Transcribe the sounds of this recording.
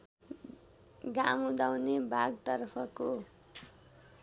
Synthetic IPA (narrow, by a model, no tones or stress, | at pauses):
ɡamud̪awnebʱaɡt̪ʌrpʰʌko